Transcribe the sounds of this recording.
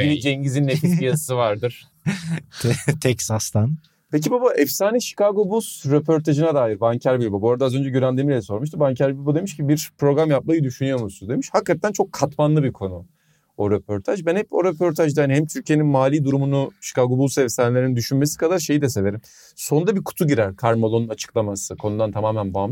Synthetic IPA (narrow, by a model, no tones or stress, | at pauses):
biɛd͡ʒɛɲɟizinːekisijasɯvaɾd̪ɯɾ̥ʰ | t̪ʰɛcsast̪ʰan | pʰec̬ibabaʔɛfsaːniʃi̥kaɡobusɾepʰo̞ɾt̪ʰaʒɯnad̪aːjiɾbaɲcʰæɾbilʲbubo̞ɾad̪azø̞nd͡ʒɛɟyɾænd̪emilʲɛso̞ɾmuʃt̪ɯbaɲcʰæɾbilʲbud̪e̞miʃcibiɾpɾo̞ɡɾamjap̚majɯd̪yʃynyjo̞ɾmusund̪e̞miʃhakːat̪ʰːænt͡ʃʰo̞kʰːat̪manlˠɯbikʰo̞nu | oɾepʰo̞ɾt̪ʰaʒbænhɛpo̞ɾepʰo̞ɾt̪ʰaʒd̪ajaniɦɛmt̪ʰyɾcʰijeninmaːlʲiːd̪uɾumunuʃi̥kaɡobulˠsɛfsaːnelʲeɾnind̪yʃynme̞si̥kʰad̪aɾʃejid̪ɛse̞ve̞ɾim | so̞nd̪abikʰu̥t̪ʰuɟiɾæɾkʰaɾmolˠonunat͡ʃʰɯ̥klˠamasɯkʰo̞nud̪ant̪ʰamaːmænbaːmɯʃ